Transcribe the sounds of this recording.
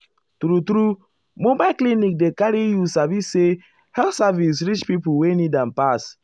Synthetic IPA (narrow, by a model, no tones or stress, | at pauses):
tɾutɾu | mobaklinik̚dekaɾijusavisːe | hɛlsavis̬ɾit͡ʃpipuwenidãnpas